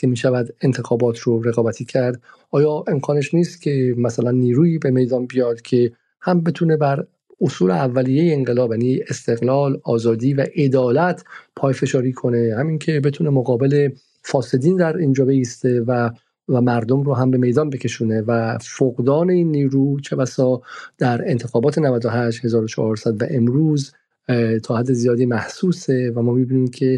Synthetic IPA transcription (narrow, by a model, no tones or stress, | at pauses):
cʰe̞miːʃævæd̪e̞nt̪ʰe̞xɒːbɒːt̪ʰɾoɾe̞ɣɒːbæt̪ʰiːcʰæɾd̪ | ɒːjɒːʔe̞mkʰɒːne̞ʃniːst̪cʲʰe̞mæsælænːiːɾuːiːbe̞me̞jd̪ɒːnbijɒːd̪̥cʰe̞ | hæmbe̞t̪ʰune̞bæɾ | osuːleævːælijejeːŋɢe̞lɒːbjaænie̞st̪e̞ɣlɒːlɒːzɒːd̪iːvæʔe̞d̪ɒːlæt̪ʰpʰɒːjfe̞ʃɒːɾiːkʰo̞ne̞hæmiŋcʰe̞be̞t̪ʰuːne̞moɣɒːbe̞le̞ | fɒːse̞d̪iːnd̪æɾiːnd͡ʒɒːbe̞iːst̪e̞væ | mæɾd̪omɾɔːɦæmbe̞me̞jd̪ɒːnbecʰe̞ʃuːne̞væfoɡd̪ɒːne̞iːnːiːɾuːt͡ʃʰe̞bæsɒːd̪̥æɾent̪ʰexɒːbɒːt̪ʰenævæd̪oɦæʃt̪he̞zɒːɾot͡ʃʰɒ̰hɒːɾsæd̪væʔe̞mɾuːz | t̪ʰɒːhæd̪ːe̞zijɒːd̪iːmæhsuːse̞væmɒːmibiːniːmkʰe̞